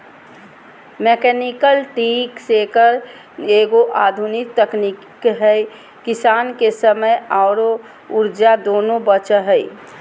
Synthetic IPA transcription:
meːkɛnikəlʈiːksekəɾ | eːɡoʔaːd̪ʱunɪk̚t̪əknik | ɦɛj | kɪsaːnkesəməjaːɾo | ʊɾd͡ʒad̪oːnõbət͡ʃəɦəi

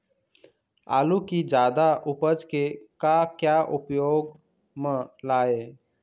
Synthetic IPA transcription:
a̰ːlukid͡ʒaːd̪aʔʊpəd͡ʒkekakjaʔʊpjoːɡ | mə̃laːeː

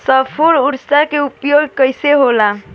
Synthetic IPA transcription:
səpʰuɽuɾsakeupjoɡkəjseɦola

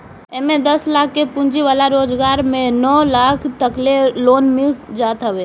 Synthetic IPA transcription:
emẽd̪ɐslaːkʰːepʊ̃nd͡ʒiʋaːlaɾoːd͡ʒɡaːɾmẽnɔːlaːkʰt̪əkleloːnmɪld͡ʒaːt̪ɦəʋeː

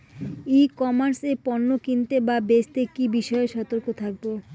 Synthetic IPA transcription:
ikɔmaɾsepɔnːokint̪ebabest̪ekibiʃɔeʃɔt̪oɾkot̪ʰak̚bo

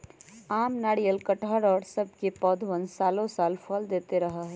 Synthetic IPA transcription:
aːmnaːɽijəlkɐʈʰaːɽɔːɾsɐb̚ʱkepɔːd̪ʱʋə̃nsaːlõsaːlfʰɔld̪eːt̪eɾɐɦaɦɛː

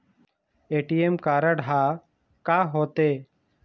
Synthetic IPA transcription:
eːʈiːemkaːɾəɽɦaː | kaːɦoːt̪eː

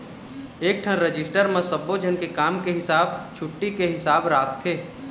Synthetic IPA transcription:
eːk̚ʈʰəɾəd͡ʒɪsʈəɾmẽsəbod͡ʒʱənkekaːmkeɦɪsaːb̚t͡ʃʰʊʈːikeɦɪsaːbɾaːkt̪ʰeː

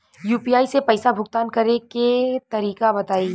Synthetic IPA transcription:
juːpiːaːisepɐɪsabʱʊɡ̚t̪aːnkɐɾeket̪ɐɾiːkabɐt̪aːi

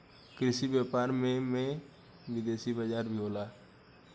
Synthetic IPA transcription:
kɾɪsibjaːpaːɾmẽmẽ | wɪd̪eːsibəd͡ʒaːɾbʱiɦoːlaː

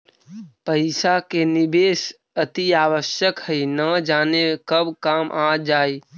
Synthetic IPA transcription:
pəɪsakenibeːs | ət̪iaːwəʃjəkhəinəd͡ʒaːnekəbkaːmʔaːd͡ʒaːi

